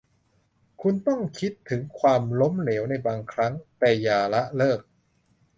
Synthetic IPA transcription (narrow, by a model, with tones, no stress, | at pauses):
kʰu˧nt̪ɔ˥˩ŋkʰi˦˥t̪ʰːɯ˩˦ŋkʰwaː˧mlo˦˥mneː˩˦wna˧jbaː˧ŋkʰɾa˦˥ŋt̪ɛː˧˩jaː˧la˦˥ʔlɤː˥˩k̚